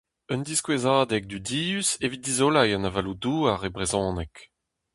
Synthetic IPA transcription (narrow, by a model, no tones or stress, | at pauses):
œnd̪iskwezaːd̪ɛk̚d̪ydiːysevit̪̚d̪izolajɑ̃navalud̪uːaʁebʁezɔ̃ːnɛk